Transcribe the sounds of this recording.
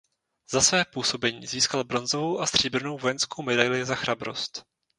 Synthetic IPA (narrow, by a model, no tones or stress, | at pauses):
z̥asvɛːpuːso̞bɛɲiːziːskalbɾo̞nzo̞vo̞wʔast̪r̝̥iːb̩no̞wvo̞jɛnskowmɛdajlɪzaxɾabɾo̞̰st̪